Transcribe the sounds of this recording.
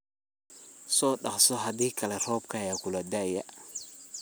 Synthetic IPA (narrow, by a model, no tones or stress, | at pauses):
sɔːɗɑχsɔɦɐd̪iːkʰɐlɛr̥ɔːbkʰɐjaːkʰʊlɐd̪ajɐ̰